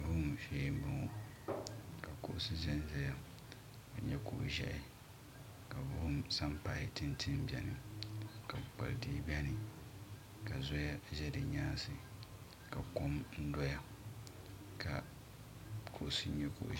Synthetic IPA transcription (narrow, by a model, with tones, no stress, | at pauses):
bu˦m˦feː˦m˦bɨ˨ŋ˦ | ka˨kʊ˦˨ʔsi˦zɛ˦n˨zɛ˦ja˦˨ | ka˨ɲɛ˦ko̰˨ʔʒɛ̰˦ʔɪ˨ | ka˨bu˦msa˦mpa̰˨˦ɪ˦tɨ˦ntʰɪ˦m˦bɛ˦nɨ˨ka˨k͡pa̰˨ldi˦˨bi˦ɛ˦nɨ˨ | ka˨zɔ˦ja˦ʒɛ˦dɨ˨ɲaː˦sɨ˨ | ka˨ko˦mn̩˦dɔ˦ja˦ | kʰa̰˨ | kʰo˦ʔsi˦ɲɛ˦ko̰˨ʔ